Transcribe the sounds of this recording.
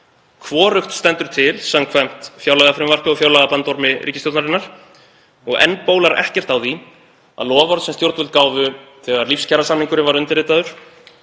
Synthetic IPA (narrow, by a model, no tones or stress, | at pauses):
kʰvɔːɾʏxt̪st̪ɛnt̪ʏɾ̥t̪ʰɪlsamkʰvɛm̥t̪fjawlaɣafɾɪmvar̥kʏɔfjawlaɣapant̪ɔɾmɪɾʔiːcɪst̪jowt̪naɾɪnːaɾ̥ | ɔɣɛ̰npoːwlaɾʔɛ̰hcɛr̥t̪awði | aðlɔːvɔɾt̪sɛmst̪jowɾt̪vʏlt̪kaːwvʏθɛɣaɾlifscʰɛɾasamniŋkʏɾɪvaɾʏnt̪ɪɾɪːt̪aðʏɾ̥